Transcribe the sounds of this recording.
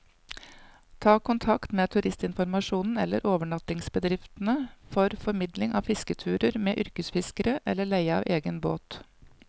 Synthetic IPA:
t̪ʰɑːkʊnt̪ʰɑkt̪meːt̪ʰʉɾɪst̪ɪnfɔɾmɑʂuːnn̩ɛ̰lːə̰ɾʔoːʋəɳɑt̪ɪŋsbəd̪ɾɪft̪ənəfɔɾfɔɾmɪd̪lɪŋɑ̰ːfɪskət̪ʰʉːɾəɾmeːʔʏɾkəsfɪskəɾəʔɛlːəɭæɪəɑ̰ːʋʔeːɡənbo̰ːt̪

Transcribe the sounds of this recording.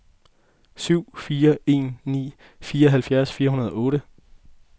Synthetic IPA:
syʊ̰fiːɐe̝̰ːnːḭː | fiːɐɒ̽ɦælfjæɐsfiːɐɦunɐð̞ˠɒ̽ɔ̽ːɾə

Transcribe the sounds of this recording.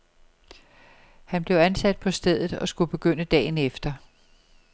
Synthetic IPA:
hænb̥le̝ʊænsæd̥̚pʰɒ̽sd̥eð̞̰ˠð̩ˠɒ̽sɡ̥ub̥e̝ɡ̥øn̰əd̥ɛ̰ːnefd̥ɐ

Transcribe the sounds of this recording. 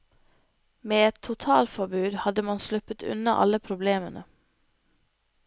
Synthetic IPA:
meːɛt̪ʰʊt̪ʰɑːlfɔbʉːd̪hɑd̪əmɑnslʉpət̪ʰʉ̰nɑʔɑ̰ləpʰɾʊbleːmənʔə

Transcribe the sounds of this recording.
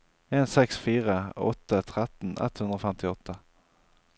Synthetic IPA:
eːnsɛksfiːʁəɔ̰t̪ːət̪ʰʁɛt̪n̩ʔɛ̰t̪ːhʉnd̪ɾəɔfɛmt̪ɪɔt̪ʰːə

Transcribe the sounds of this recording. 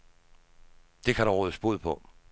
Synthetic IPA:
d̥e̝kʰæɾɑʁoðəsb̥oð̰ˠpʰɔ̽

